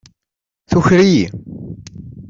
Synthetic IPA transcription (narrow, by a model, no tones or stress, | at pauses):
θuçɾiji